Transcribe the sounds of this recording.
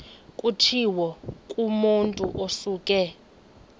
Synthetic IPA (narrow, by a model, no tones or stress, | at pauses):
kʼutʰiwɔkʼumuntʼuʔosuːkʼɛ